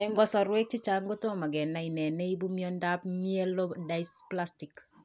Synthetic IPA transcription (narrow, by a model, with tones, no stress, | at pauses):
ɛ˦ŋɡɔ˦sɔ˨ɾwɛ˦k̚t͡ʃɪ˦t͡ʃa˦ŋɡo˦to˦ma˨ɡɛ˨nːa˨i˨nɛ˨nɛ˦i˦bu˦mjɔ˦nda˦pmie˦lo˦da˦ɪspla˦sti˨k